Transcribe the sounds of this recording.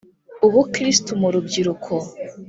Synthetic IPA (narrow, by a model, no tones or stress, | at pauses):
uβukɾistumuɾub̚ɡiɾukʰo